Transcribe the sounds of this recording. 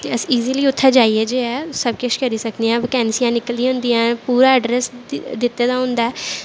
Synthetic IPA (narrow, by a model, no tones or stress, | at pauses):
t̪eəsiːziːliːʊt̪ʰːaːd͡ʒaːiɛːd͡ʒeːɛːsəbkəʃkəɾiːsəkd̪iãːʋkɛ̃ːnsijãːnɪkəld̪iɦʊ̃nd̪iːɛ̃ːpuːɾaːəɖɾɛsd̪ɪt̪ːeːd̪aːɦʊ̃nd̪aɛː